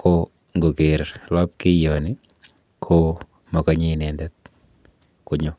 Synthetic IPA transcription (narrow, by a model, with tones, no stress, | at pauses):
kʰo˨ | ŋɡo˨ke˨ɾlɔ˦p̚kɪ˦jɔ˨nɪ˦ | kʰo˦ | mɔ˨ka˨ɲe˦nɛ˨ndɛ˦t̪̚ | kʊ˨ɲɔ˦